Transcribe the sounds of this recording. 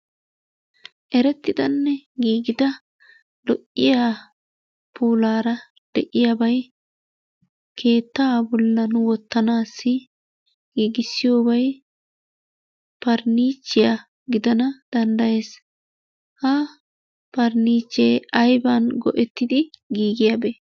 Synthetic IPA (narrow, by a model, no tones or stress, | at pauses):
ʔɛɾɛt̪ːɪd̪ɐnːɛɡiːɡɪd̪ɐ | lɔʔːɪjaː | puːlaːɾɐ | d̪̥ɛʔɪjabɐj | kʰe̞ːt̪ːɐbɔlːɐnʊwɔt̪ːɐnaːsːɪ | ɡiːɡɪsːɪjo̞ːbɐj | pɐɾniːt͡ʃːɪjɐ | ɡɪd̪ɐnɐd̪̥ɐnd̪ɐje̞ːs | hɐ | pɐɾniːt͡ʃːeːɐjbanɡɔ̰ʔɛt̪ːɪd̪ɪɡiːɡɪjɐbeː